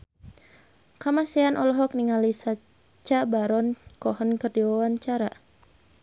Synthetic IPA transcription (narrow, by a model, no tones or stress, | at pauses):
kamasianʔɔlɔɦɔk̚niŋalisa | t͡ʃabaɾɔnkɔhənkərdiwawant͡ʃaɾa